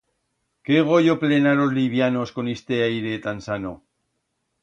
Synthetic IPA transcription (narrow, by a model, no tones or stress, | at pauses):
keɣ̞o̞ʎople̞naɾo̞zliβ̞jano̞sko̞nest̪eajɾet̪ansano̞